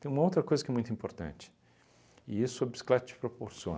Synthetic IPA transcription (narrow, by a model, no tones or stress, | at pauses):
t̪ẽj̃ũmɐowt̪ɾɐkojzɐkɛmũj̃t̪ʊĩpoɾt̪ɐ̰̃nt͡ʃɪ̥ | ɪ̰isʊɐbisi̥klat̪ɐt͡ʃɪ̥pɾopoɾsiõ̰n